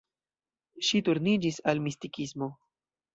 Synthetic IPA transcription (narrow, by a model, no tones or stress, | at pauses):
ʃituɾnid͡ʒisalmistikismo̞